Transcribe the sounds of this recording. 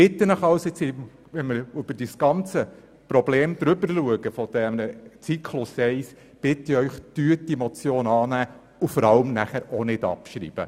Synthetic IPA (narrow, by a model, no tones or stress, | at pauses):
pɪt̪ːənəχɑlsɪt͡sɪ | ʋɛnməɾʏb̥əɾd̥isɡ̥ɑnt͡sə | pɾɔbleːmd̪ɾʏbəɾluəɡəfɔd̥̪ɛmnət͡sikʰlʊsɛɪs | b̥ɪt̪ːəœʏχd̪̥yːətimɔt͡sjoːnɑːnæː | ufɔɾɑlmnæχæɾonɪd̥ɑ̰pʃɾḭːb̥ə̰